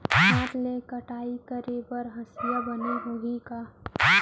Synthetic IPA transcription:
saːt̪lekɐʈaːikəɾebɐɾɦɐsijabɐneɦoːɡikaː

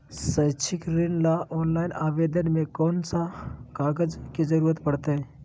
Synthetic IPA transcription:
səjt͡ʃʰɪkɾinlaʔɔːnlaːɪnaːʋeːd̪ənmẽkɔːnsakaːɡəd͡ʒkid͡ʒəɾuːɾət̪pɐɽt̪eɦɛ̃ː

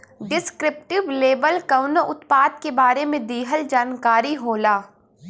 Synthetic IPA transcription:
ɖɪskɾɪp̚ʈɪʋleːbəlkɐʊnəʔʊt̪paːd̪̚kebaːɾemẽd̪iːɦəld͡ʒaːnkaːɾiɦoːlaː

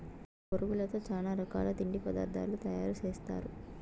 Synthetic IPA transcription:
poɾuɡulɐt̪o̞ːt͡ʃaːlaːɾɐka̰ːlɐt̪iɳɖipɐd̪a̰ːɾd̪ʱa̰ːlut̪ɐjaːɾut͡ʃeːst̪a̰ːɾu

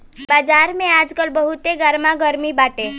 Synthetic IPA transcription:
bad͡ʒaɾmẽad͡ʒkəlbəɦut̪eɡəɾmaɡəɾmibaʈe

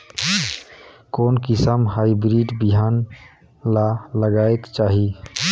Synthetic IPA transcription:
koːnkɪsəmɦaibɾiɖbiɦan | laləɡaekt͡ʃaːɦi

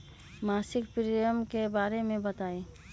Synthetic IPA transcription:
maːsɪkpɾijəmkebaːɾemẽbɐt̪aːe

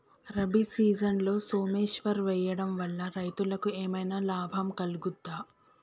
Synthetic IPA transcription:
ɾɐbisiːd͡ʒɐnlo̞ːso̞ːmeːʃʋɐɾʋɛːjɐɽɐmʋɐlːɐɾɐjt̪ulɐkueːmɐjnaːlaːbʱɐmkɐluɡud̪ːaː

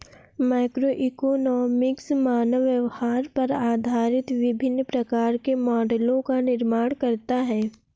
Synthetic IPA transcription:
maːɪkɾoʔikoːnɔːmɪksmaːnəʋjɐʋhaːɾpɐɾaːd̪ʱaːɾɪt̪ʋɪbʱɪnːpɾɐkaːɾkemɔːɖəlõkanɪɾmaːɽ̃kɐɾt̪aɦɛː

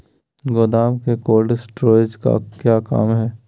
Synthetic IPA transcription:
ɡod̪aːmkekoːɖɪsʈɾoːed͡ʒka̰kjaːka̰ːmɦɛː

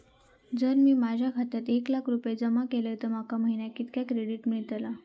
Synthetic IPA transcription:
d͡zəɾmiːmad͡ʑʱjakʰat̪at̪eklakʰɾupjed͡zəmakelət̪əɾmakaməɦinjakit̪kjakɾeɽiʈmiɭt̪ala

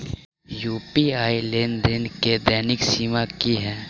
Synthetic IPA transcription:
juːpiaːileːnd̪ɪnked̪ɛːnɪksiːmakiɦɛː

